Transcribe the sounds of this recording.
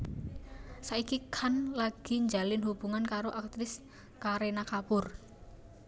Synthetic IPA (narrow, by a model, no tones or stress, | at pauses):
saikikʰanlaɡ̥i̤ɲd͡ʒalɪnɦub̥uŋankaɾoʔak̚t̪ɾɪs | kaɾenakapʊr